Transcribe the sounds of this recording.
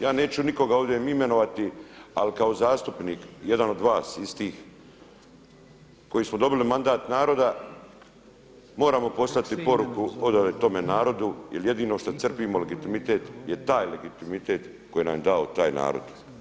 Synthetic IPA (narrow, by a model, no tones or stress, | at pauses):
jaːne̞ːt͡ɕuniko̞ɡaoʋd̪jemime̞no̞ʋat̪ia̰likaozaːst̪upniːkje̞d̪ano̞d̪ʋaːsist̪iːx | ko̞jismod̪o̞bilimand̪aːt̪naːɾo̞d̪a | mo̞ːɾaːmo̞po̞st̪at̪ipo̞ɾukuod̪alet̪o̞me̞naːɾo̞d̪ujelje̞d̪iːno̞ʃt̪at̪sr̩piːmole̞ɡit̪imit̪e̞ːt̪jet̪aːjle̞ɡit̪imit̪e̞ːt̪ | ko̞jena̰mjed̪aot̪aːjna̰ːɾo̰d̪̥